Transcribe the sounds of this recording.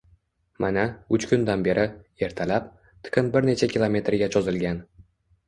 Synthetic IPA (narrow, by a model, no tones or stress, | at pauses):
manaʊt͡ʃkʲʰʊnd̪anbe̞ɾʔɪe̞ɾt̪ʰalap | t̪ʰɨ̥qʰɨnbɪɾne̞t͡ʃʰakʲʰilˠome̞t̪ɾɡʲat͡ʃʰɒzɪlɡʲan